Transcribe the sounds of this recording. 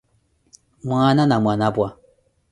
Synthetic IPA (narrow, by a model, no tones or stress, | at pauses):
mwananamʷanabwa